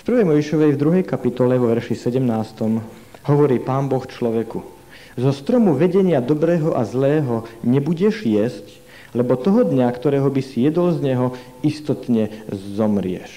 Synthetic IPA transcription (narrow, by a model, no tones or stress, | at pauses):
fpɾr̩ʋɛjmɔjʒiʃɔʋɛjvd̪ɾuɦɛjkapit̪ɔlɛʋɔʋɛɾʃisɛɟɛmnaːst̪ɔm | hɔʋɔɾiːpaːnbɔxt͡ʃlɔʋɛku | zɔst̪ɾɔmuʋɛɟɛɲɪad̪ɔbɾɛːɦɔʔazlɛːɦɔɲɛbuɟɛʒjɛsc | lɛbɔt̪ɔɦɔd̪ɲakt̪ɔɾɛːɦɔbisijɛd̪ɔlzɲɛɦɔ | ist̪ɔt̪ɲɛzɔmɾɪɛ̰ʃ